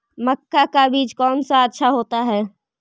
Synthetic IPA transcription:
mɐkːakabiːt͡ʃkɔːnsaətːʃʰaɦoːt̪aɦɛː

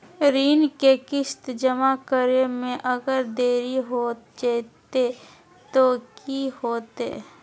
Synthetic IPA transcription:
ɾiːnkekɪst̪d͡ʒəmakəɾemẽʔəɡəɾd̪eːɾiɦoːd͡ʒat̪e | t̪okihoːt̪ḛː

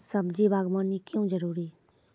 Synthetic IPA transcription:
səbd͡ʒibaːɡmənːikjõd͡ʒəɾuːɾi

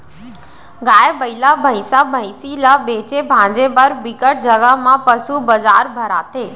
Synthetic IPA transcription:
ɡaːjebəɪlabʱəɪsabʱə̃isilabeːt͡ɕebʱãːd͡ʑebəɾbɪkəʈ̚d͡ʑəɡəɦmãpɐsubɐzaːɾbʱəɾa̰ːt̪ʰeː

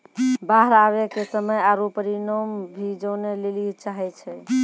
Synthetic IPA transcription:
baɦəɾaβekesəməjaɾupəɾinɔmbʱid͡ʒəwnelelit͡ʃaɦɛt͡ʃʰɛ

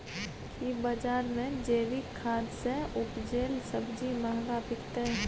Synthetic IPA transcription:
kʰibəd͡ʒaːɾmẽd͡ʒeːʋikʰːaːd̪seʊpd͡ʒeːlsəbd͡ʒimaːɡapɪkt̪e

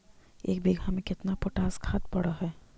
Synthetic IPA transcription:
ḛːkbeːɡʱamẽkɪt̪napoʈaːskʰaːt̪̚pɐɽaɦɛː

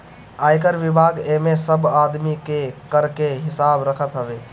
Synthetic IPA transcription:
ajkəɾʋibʱaɡemesəbad̪mikekəɾkeɦɪsabɾəkʰət̪ɦəbe

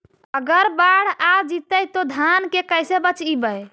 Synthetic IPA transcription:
əɡəɾbaɽ̤ad͡ʒit̪əjt̪od̪ʱankekəjsebət͡ʃibəj

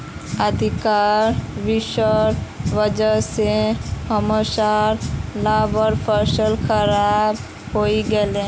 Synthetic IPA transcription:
əd̪ʱikaɾʋiʃəɾʋəd͡ʒəsehəmosaɾlabəɾpʰəɾsəlxəɾab | ɦoiɡelẽ

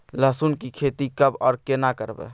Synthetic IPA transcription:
ləsunkikʰet̪ikəbɔ̰ːɾkenakəɾbɛ̰

